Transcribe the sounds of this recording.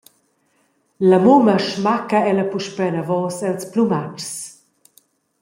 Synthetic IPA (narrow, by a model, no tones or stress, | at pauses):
lɐmumɐʃmakɐɛlɐpuʃpɛnɐvɔːsɛlsplumat͡ʃs